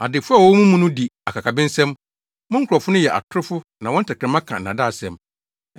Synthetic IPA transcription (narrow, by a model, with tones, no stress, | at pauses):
a̰˨dɪ˨fʊ˦a˨wɔ˦mũ˦mũ˦nʊ̃˦di˨a˨kʰa˨kʰa˨bɪ̃˦n̩˦sɛ̃˦m | mʊ̃˦ŋ̩˦kʰʊ˨ɾɔ˨fʊ˦nʊ̃˦jɛ˨ʔa̰˨tʰʊ˦ɾɪ˦fʊ˦nã˨wɔ̃˦n̩˦tʰa˨kʰɾɛ̃˨mã˦kʰã̰˨n̩˨nã˨da˦˨sɛ̰̃˨m